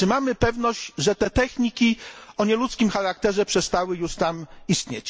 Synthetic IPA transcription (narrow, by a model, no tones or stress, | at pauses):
t͡ʂɘmamɘpɛvnɔʑd͡ʑʐɛt̪ɛt̪ɛxɲikʲiɔɲɛlut̪skʲimxaɾak̚t̪ɛʐɛpʂɛst̪awɘjuʂt̪amist̪ɲḛt͡ɕ